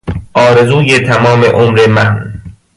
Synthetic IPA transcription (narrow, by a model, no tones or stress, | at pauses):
ʔɒːɾe̞zuːjet̪ʰæmɒːmeʔomɾemæn